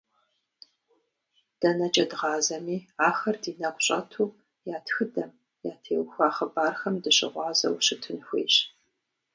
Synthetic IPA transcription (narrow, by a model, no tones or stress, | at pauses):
d̥ɐnɐt͡ʃʼɐdʁɑːzɐmiːaːxɐrdiːnɐqʷʼɕʼɐ̰tʰuː | jaːtxɨdɐm | jaːtʰeːwxʷaːχɐbaːrxɐmdɨɕɪ̰ʁʷɑːzɐ̰wɕɪtʰɨnxʷḛːɕ